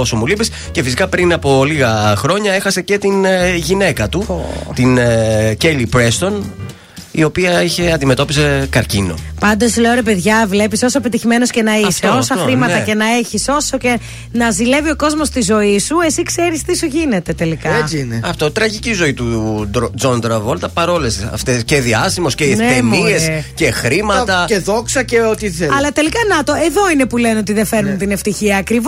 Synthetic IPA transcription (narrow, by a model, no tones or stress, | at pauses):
o̞somulipis | ce̞fisikɐpɾinɐpo̞liɣɐxɾo̞ɲɐexɐse̞ce̞t̪inʝine̞kɐt̪ut̪incelipɾe̞st̪o̞n | io̞piɐiçe̞ɐnd̪ime̞t̪o̞pise̞kɐɾcino̞̰pɐnd̪o̞sleoɾe̞pe̞ðʝɐvle̞piso̞soepet̪içime̞no̞sce̞nɐiseosɐxɾimɐt̪ɐce̞nɐe̞çiso̞so̞ce̞ | nɐzile̞vio̞ko̞zmo̞st̪izo̞isue̞sikse̞ɾist̪isoʝine̞t̪e̞t̪e̞likɐneɐft̪ot̪ɾɐʝicizo̞it̪ud̪d͡zond̪ɾɐvolt̪ɐpɐɾo̞lesɐ̰ft̪esceðiɐsimosceneeniescexɾimɐt̪ɐeðoksɐceot̪iθeɐlɐt̪e̞likɐnɐt̪o̞e̞ðo̞ine̞pulenot̪iðefe̞ɾnunt̪ine̞ft̪içiɐːkɾiv